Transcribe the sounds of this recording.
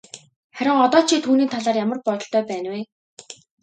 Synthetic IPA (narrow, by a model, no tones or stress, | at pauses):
χæɾʲɪ̆ŋɔt̪ɔːt͡ɕʰit̪ʰuːniːt̪ʰaɮaːrjamə̆rpɔt̪ɞ̆ɬt̪œːpæːnweː